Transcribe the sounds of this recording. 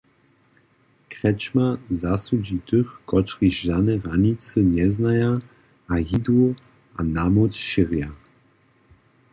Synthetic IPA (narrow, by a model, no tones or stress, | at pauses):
kʁɛt͡ʃmazasud͡ʑit̪ɨxkɔt̪riʒanɛʁaɲit͡səɲɛznaja | ʔajid̪u | ʔanamɔt͡sʃiʁja